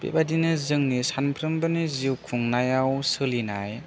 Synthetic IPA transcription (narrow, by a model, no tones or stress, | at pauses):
b̥ḛbadinɯzɯŋnisanpʰɾɯmbɯniziwkʰuŋnajawsɯlina̰j